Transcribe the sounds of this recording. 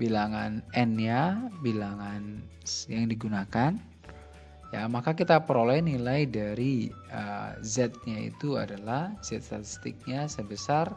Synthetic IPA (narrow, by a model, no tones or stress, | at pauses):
bilaŋanɛnɲabilaŋan | jaŋdiɡunakan | jamakakit̪apəɾolɛnilajdaɾi | ə̰zɛt̪̚ɲaḭt̪ua̰dalahz̥ɛt̪̚st̪at̪ist̪ɪk̚ɲasəbəsar